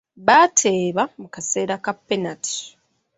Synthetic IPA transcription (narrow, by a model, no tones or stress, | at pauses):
βatʰe̞ːβamukase̞ːɾakapːenatʰi̥